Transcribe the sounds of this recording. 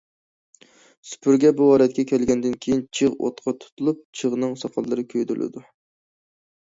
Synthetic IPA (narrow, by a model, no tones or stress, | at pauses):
sy̥pʰyɾɡʲɛbuɑːɾɛt̪̚kʲɛkʲʰɛlɡʲɛnd̪ɪnkʲʰejint͡ʃʰɨʁo̰t̪qʰɑt̪ʰu̥t̪ʰulˠup̚t͡ʃʰəʁnɨŋsɑqʰɑlˠːɨɾɨkʲʰøjd̪ylʔɪ̰d̪u